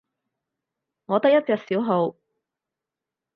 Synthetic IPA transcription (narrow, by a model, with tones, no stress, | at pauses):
ŋɔː˨˧t̪ɐ˥k̚jɐ˥t̚t͡sɛː˨˧k̚siː˨˥wɦo˨˧w